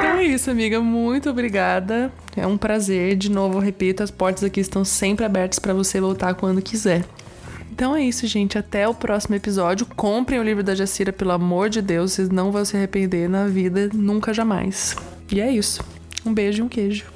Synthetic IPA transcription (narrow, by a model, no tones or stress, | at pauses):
ẽt̪ɐ̃w̃ɛisʊamiɡɐmũj̃t̪ʊobɾiɡad̪ɐ | ɛ̰ũpɾazeɾd͡ʒɪnovʊɦepit̪ʊɐspɔɾt̪ɐzakiɪst̪ɐ̃w̃sẽmpɾɪabɛɾt̪ɐ̥spɾɐvosevowt̪aɾkwɐ̃nd̪ʊkizɛɾ | ẽnt̪ɐ̃w̃ɛisʊʒẽnt͡ʃɪat̪ɛʊpɾʔɔsimʊepizɔd͡ʒʊkõpɾẽj̃ʊlivɾʊd̪ɐʒasiɾɐpelʊamoɾd͡ʒɪd̪ewssɪznɐ̃w̃vɐ̃w̃sɪahepẽnd̪eɾnɐvid̪ɐnũŋkɐʒama̰js | ɪɛisʊ̥ | ũbeʒʊiũkeʒʊ